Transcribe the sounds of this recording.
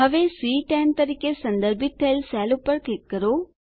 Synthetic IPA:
ɐʋesiːʈɛːnt̪ɐɾikesɐnd̪ɐɾbʱit̪ʰːelsɛːlupːɐɾkikkːɐɾoː

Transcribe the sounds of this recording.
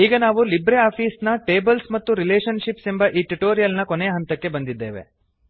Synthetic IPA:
iːɡɐnaːʋulibɾeaːpʰiːsnɐʈeːbɐlsmɐt̪ːuɾileːʃɐnʃipsembɐʔiːʈuʈoːɾijɐlnɐkonejɐɦɐnt̪ɐkːe̞bɐnd̪id̪ːe̞ːʋḛ

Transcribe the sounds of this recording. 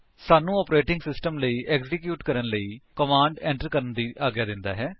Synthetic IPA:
saːnũːɔːpɾeːʈɪŋɡsɪsʈəmləiːʔɛːkzɪkjuːʈkəɾənləiːkəmãːɳɖɛ̃ːɳʈəɾkəɾənd̪iːʔaːɡjaːd̪ɪnd̪a̰ːɦɛː

